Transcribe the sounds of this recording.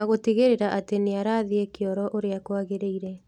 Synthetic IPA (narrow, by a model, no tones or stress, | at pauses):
aɣotiɣeɾeɾaʔateneaɾaːðiekeɔɾɔʔoɾeakoaɣeɾeiɾɛ